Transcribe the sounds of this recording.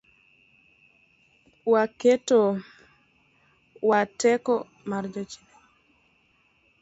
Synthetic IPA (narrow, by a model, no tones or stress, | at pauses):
waketo | watɛkɔ | maɾd͡ʒɔt͡ʃi̥ne